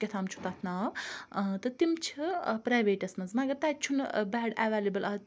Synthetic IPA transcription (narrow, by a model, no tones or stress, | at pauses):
kʲɐt̪ʰaːmt͡ʃʰu̥t̪at̪ʰnaːwt̪ɐt̪imt͡ʃʰipɾaːjʋeːʈɐsmɐnzmɐɐɡɐɾt̪aːt͡ʃʰunbaːɖaʋaːlibɐlɐ